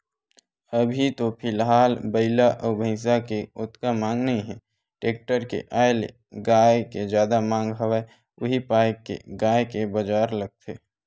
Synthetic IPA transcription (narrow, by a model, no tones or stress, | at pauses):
əbʱit̪opʰɪlɦaːlbəɪlaʔɔbʱə̃ɪs̬akeʊt̪kamãːŋɡnəɦĩɦɛ̃ | ʈeːk̚ʈəɾkḛʔaːelḛ | ɡaːjked͡ʒjaːd̪amãːŋɡɦəwa | ʊɦipaːɪkḛɡaːjkebəd͡ʒaːɾləɡ̚t̪ʰeː